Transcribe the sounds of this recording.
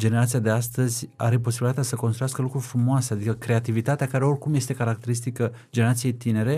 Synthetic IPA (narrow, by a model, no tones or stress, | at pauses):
d͡ʒeneɾat̪siad̪e̞ast̪əzʲa̰ɾe̞p̬o̞s̬ibilit̪at̪ʲasəko̞nst̪ɾujaskəlukɾufɾumoasead̪ikəkɾe̞at̪ivit̪at̪eakaɾeo̞rʲkumje̞st̪e̞kaɾak̚t̪e̞ɾist̪ikə | d͡ʒe̞neɾat̪sijejt̪ine̞ɾe̞